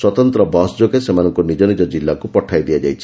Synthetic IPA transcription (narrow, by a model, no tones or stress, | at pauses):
swɔt̪ɔnt̪ɾɔbɔsd͡ʒokesemanɔŋkonid͡ʒɔnid͡ʒɔd͡ʒilːakupɔʈʰajd̪iad͡ʒajt͡ʃʰi